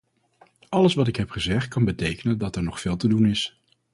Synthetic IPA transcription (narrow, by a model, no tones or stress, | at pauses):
ʔɑləsʋɑtɪkɦɛpχəzɛχt̚kɑnbətejkənəndɑtɛɹnɔχfɪːlˠtədunɪs